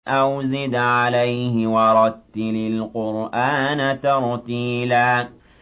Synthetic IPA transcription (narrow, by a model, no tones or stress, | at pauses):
ʔawzɪd̪ʕalajhɪwɑɾˤɑd̪t̪ːɪlɪlqʊɾʔaːnat̪ɑɾˤt̪iːlaː